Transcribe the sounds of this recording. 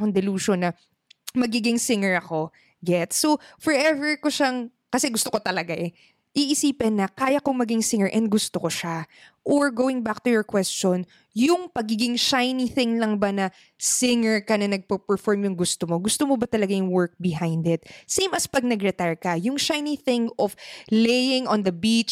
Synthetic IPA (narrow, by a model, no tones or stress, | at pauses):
koŋd̪ɪluːʃonːɐ | mɐɡiːɡɪŋsɪŋɛɹɐko̞ | ɡɛt̪sofɔɹʔɛvɛɹkoʃaŋ | kɐsɛɡʊst̪oko̞t̪ɐlɐɡaʔɛ | ʔiʔɪsiːpɛnːɐkaːjɐkoŋmɐɡɪŋsɪŋɛɹʔɛnd̪̚ɡʊst̪okoʃaʔoɹɡoːwɪŋbak̚t̪ʊjɔɹkwɛst͡ʃon | jʊŋpɐɡiːɡɪŋʃajniθɪŋlɐŋbanɐ | sɪŋɛɹkɐnɐnɐɡ̚pɐpɛɹfɔɹmjʊŋɡʊst̪omoɡʊst̪omobɐt̪ɐlɐɡajʊŋwɛɹk̚bɪɦãjnd̪ɪt̪̚sẽjmɐspɐɡ̚nɐɡɾɛt̪aɹkɐjʊŋʃajniθɪ̃ŋɔflejɪ̃ŋɔ̃nd̪ɐbit͡ʃ